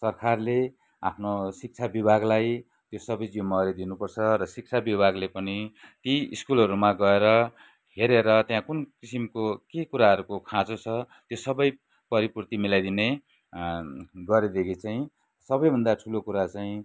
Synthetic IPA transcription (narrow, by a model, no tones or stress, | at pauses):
sʌrkʰarle | a̰pʰnosik̚t͡sʰabibʱaɡlaj | t̪josʌbʌjd͡zomːʌɾed̪inupʌrt͡sʰʌɾʌsik̚t͡sʰabibʱaɡlepʌnit̪iḭskulʌɾumaɡʌeɾʌ | heɾeɾʌt̪jãkunkisimkokekuɾaɦʌɾukokʰãt͡sot͡sʰʌ | t̪josʌbʌj | pʌɾipurt̪imilajd̪ine | ɡʌɾed̪ekʰit͡saĩ | sʌbʌjbʱʌnd̪aʈʰulokuɾat͡saĩ